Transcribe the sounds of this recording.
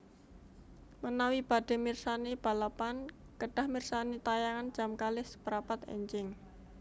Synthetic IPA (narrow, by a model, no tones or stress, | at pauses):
mənawib̥a̤ɖ̥e̤mirsaneb̥a̤lapan | kəɖ̥a̤hmirsanit̪ajaŋan̥ʒ̥a̤mkalɪspəɾapat̪ɛ̰ɲd͡ʒɪŋ